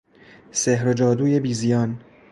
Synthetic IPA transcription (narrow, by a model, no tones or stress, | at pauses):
seɦɾod͡ʒɒːd̪uːje̞biːzijɒːn